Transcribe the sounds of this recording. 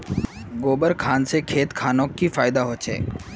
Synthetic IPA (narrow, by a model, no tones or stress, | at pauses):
ɡoːbəɾkʰaːnsekʰeːt̪kʰaːnokːifaːɪd̪aɦot͡ʃʰḛː